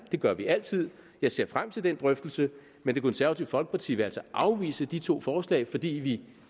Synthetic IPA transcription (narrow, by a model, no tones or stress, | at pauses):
d̥e̝ɡ̥ɶɐʋiʔæl̰t͡sʰið̞̰ˠ | jɑ̈ɪse̝ɐ̰fʁam̰t͡sʰe̝ld̥end̥ʁœfd̥l̩sə | mend̥e̝kʰonsæɐʋæt͡sʰiʊ̰fɒ̽lɡ̥ə̥pɑt͡sʰḭːʋe̝ælsɒʔɑ̈ʊʋḭːsəd̥it͡sʰo̝̰ːfɒːslɛ̰ɪfɒ̽d̥ḭːʋi